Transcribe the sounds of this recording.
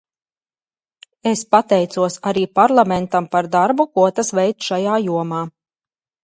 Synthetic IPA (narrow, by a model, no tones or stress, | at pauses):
espat̪ɛjt̪suɔsaɾiːpaɾlˠamɛnt̪ampaɾd̪aɾbukuɔt̪asvɛjt̪ʃajaːjuɔmaː